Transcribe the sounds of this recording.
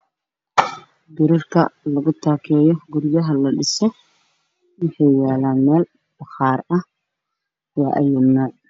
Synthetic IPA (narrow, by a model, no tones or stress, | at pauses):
ɡɪɾɪrkʰɐ̰lɐɣʊt̪ʰaːkʰɛːjɔɡʊɾjɐɦɐlɐɖɪsɔ | wɪħɑjjaːlaːnmɛːl | b̥ɐχɑːɾɐh | wɑːʔɐjʊnɔːʕ